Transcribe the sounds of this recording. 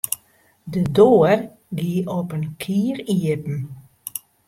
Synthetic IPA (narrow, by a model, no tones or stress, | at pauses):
dədoːər | ɡiʔɔpənkʰiːriəpn̩